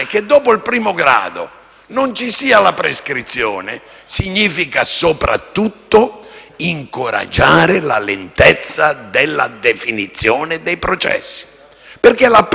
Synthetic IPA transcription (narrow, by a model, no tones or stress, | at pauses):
k̟ed̪ːɔːpoilpɾiːmoɡɾa̰ːd̪o̰ | nont͡ʃisiːalapɾeskɾit̪sːjɔːne | siɲːiːfikasopɾʔa̰t̪ːut̪ːoiŋkoɾa̰d͡ʒːaːɾɪlalent̪ɛt̪sːad̪elːad̪efinit̪sːjɔːnɪd̪ɛjpɾɔt͡ʃɛ̰sːi̥ | perkelap